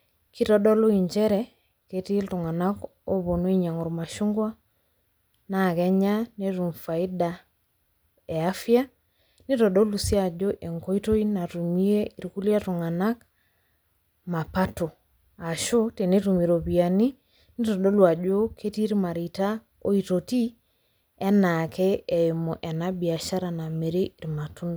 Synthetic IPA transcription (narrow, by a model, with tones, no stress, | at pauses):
kʰi˦tɔ˦ɗɔ˦lo˦i˨ɲd͡ʒɛ˦ɾɛ˨ | ke˨ti˦ltu˨ŋa˨na˦ko˦βo˨no˦i˦ɲa˨ŋu˨ɾma˨ʃu˦ŋɡwa˦ | na˨kɛ˦ɲa˦ne˦tu˨mfa˨i˦da˨ | e˨a˦fja˦ | ni˦tɔ˨ɗo˦lu˨si˦a˨d͡ʒo˦ʔe˨ŋko˦i˦to˦ina˨tu˨mi˦e˦i˨ɾku˦lja˦tu˨ŋa˨na˦k | ma˨pa˦to˨ | a˨ʃo˦te˨ne˦tu˨mi˨ɾo˨βi˨a˨ni˦ | ni˦tɔ˨ɗo˦lwa˨d͡ʒo˦kʰe˦ti˦ɾma˨ɾi˨ta˦ | o˦i˨to˨ti˦ | ɛ˦nakɛː˦˨i˨mɔ˨ʔɛ˨na˦bi˨a˨ʃa˦ɾa˨na˨me˨ɾe˦ʔi˨ɾma˨tu˦ndo˨